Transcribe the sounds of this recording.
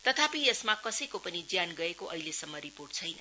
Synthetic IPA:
t̪ʌt̪ʰapiesmakʌsʌjkopʌnid͡zjanɡʌekoʔʌjlesʌmːʌɾiporʈ̚t͡sʰʌjnʌ̰

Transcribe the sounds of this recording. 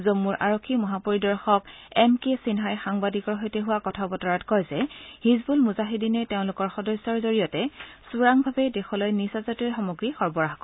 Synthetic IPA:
zomuɹʔaɹokʰːimɔɦapoɹidɔɹxɔkɛmkesinɦajxaŋbadikɔɹɦojtɛɦʊwakɔtʰabɔtɔɹatkɔjzɛhizbulmuzaɦidinɛteʊ̃lʊkɔɹxɔdɔsːɔɹzoɹijɔtɛsuɹaŋbʱabɛdexɔlojnisazɔtujxɔmoɡɹixɔɹbɔɹaɦkɔ

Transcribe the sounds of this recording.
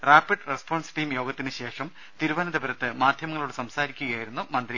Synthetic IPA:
raːpiɖrespoːɳsʈiːmjo̞ːɡɐt̪ːinɨɕe̞ːʂɐm | t̪iɾubɐnɐd̪ibɐɾɐt̪ːɨmaːd̪ʱjɐmɐŋːɐɭoːɽsɐmsaːɾikʲːuɣɐjaːjiɾunːumɐnd̪ɾi

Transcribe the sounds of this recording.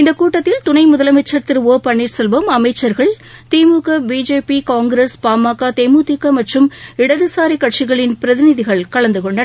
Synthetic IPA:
ɪnd̪ɐkːuːʈːɐt̪ːɪlt̪ʊnɐɪmʊðɐlɐmɐt͡ʃːɐɾt̪ɪɾɯoːpɐɳːiːɾsɛlʋɐmɐmɐɪt͡ʃːɐɾɣɐɭ | t̪eːmuːkɐbiːd͡ʒeːpikaːŋɡɾespaːmaːkːat̪eːmuːt̪ikːɐmɐʈrɯmɪɽɐðɯsaːɾikːɐʈʂɪɣɐɭɪnpɪɾɐðɪnɪðɪɣɐɭkɐɭɐnd̪ɯkɔɳɖɐ

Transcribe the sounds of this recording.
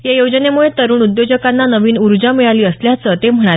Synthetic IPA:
jajod͡ʑənemuɭet̪əɾuːɳud̪jod͡ʑəkanːanəʋiːnuɾd͡ʑamiɭaliːəsljat͡sət̪em̤əɳ̃a

